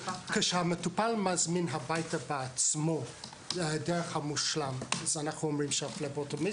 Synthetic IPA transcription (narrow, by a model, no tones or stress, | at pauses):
keʃehametupalmazminɦabajtabeat͡smo | deʁeχhamuʃlamazanaχnuomʁimʃaflebotomi